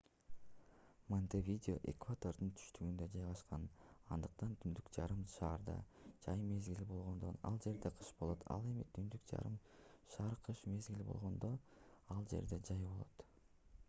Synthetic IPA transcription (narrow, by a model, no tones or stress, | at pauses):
monʲt̪evʲidʲɪo̰ʔḛkvat̪o̞rd̪ɯnt̪ʰy̥ʃt̪yɡynd̪ød͡ʒɑjʁɑʃqɑnɑnd̪ɯq̚t̪ɑnt̪ʰynd̪ykd͡ʒɑɾɯmʃɑːɾd̪ɑ̰d͡ʒɑjme̞zɡilibo̞lˠʁo̞nd̪o̞nɑ̰lˠd͡ʒe̞ɾd̪e̞qʰɯ̥ʃbo̞lˠo̞t̪ʰɑ̰lˠe̞mit̪ʰynd̪ykd͡ʒɑ̰ɾɯmʃɑːɾqʰɯʃme̞zɡʲilibo̞̰lˠʁo̞nd̪o̞ɑlˠd͡ʒe̞̰ɾd̪e̞d͡ʒɑjbo̞lˠo̞̰t̪